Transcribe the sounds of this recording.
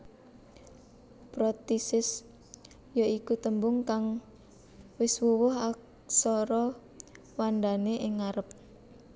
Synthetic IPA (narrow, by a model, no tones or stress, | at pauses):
pɾɔt̪isɪs | jaikut̪əmbʊŋkaŋ | wɪswuwʊɦak | sɔɾɔ | wandaneʔɪŋaɾəp̚